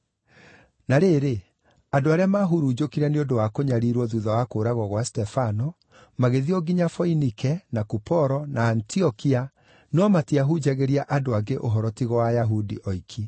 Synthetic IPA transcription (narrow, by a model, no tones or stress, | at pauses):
naɾeɾe | adoaɾeamaɦuɾud͡ʑokiɾɛneodowakoɲaɾiɾwɔðuðawakoːɾaɣwɔɣwastɛfanɔ | maɣeðiɔɡiɲafɔinikɛnakupɔɾɔnaːntiɔkia | nɔmatiaɦud͡ʒaɣeɾiaʔadoaɡeʔoɦɔɾɔtiɣɔwajaɦudiʔɔikʰi